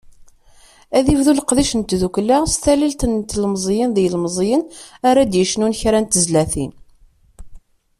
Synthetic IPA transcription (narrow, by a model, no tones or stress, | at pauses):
æðivðuləqðiʃənt̪ðuklast̪ælilt̪ənt̪lmzˤjənðijlmzˤjənaɾad̪jəʃnunçɾænt̪əzlæθḭn